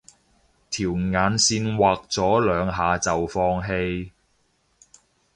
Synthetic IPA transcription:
t̪ʰiː˨˩wŋaː˨˧nsiː˧nwaː˨k̚t͡sɔː˨˥lœː˨˧ŋɦaː˨˧t͡sɐ˨wfɔː˧ŋɦe˧j

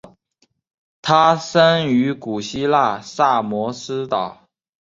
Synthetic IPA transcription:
t̪ʰa˥ʂə˥ny˧˥ku˨˩ɕi˥la˥˧sa˥˩mwɔ˧˥sɹ̩˥t̪ɑ˨˩˦ʊ

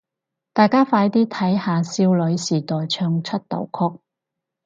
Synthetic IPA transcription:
t̪aː˨jkaː˥faː˨˧˥jt̪iː˥t̪ʰɐ˨˥jhaː˨˧siː˥wlɵ˨˧˥ɥsiː˨˩t̪ɔː˨jt͡ʃʰœː˧ŋt͡ʃʰɵ˥t̚t̪o̰˨˩wkʰɔ˥k̚

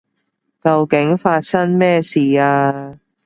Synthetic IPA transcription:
kɐ˧wkɪ˨˥ŋfaː˧t̚sɐ˥nmɛː˥siː˨aː˧

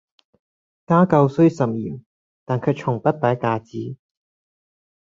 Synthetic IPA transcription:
kaː˥kɐ˧wsɵ˥ɥsɐ˨p̚jiː˨˩m | t̪aː˨nkʰɵ˨˧jt͡ʃʰʊ˨˩ŋpɐ˥t̚paː˨˥jkaː˧t͡siː˨˥

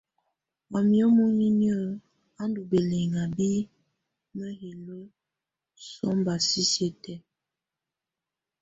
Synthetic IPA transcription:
ma˨mjɔ˦mu˦ɲi˦ni˦ə˦˨ | a˦ndu˨be˨le˨ŋa˨bi˦ | mə˦hi˨lə˦ | sɔ˦mba˨si˦se˦tɛ˦

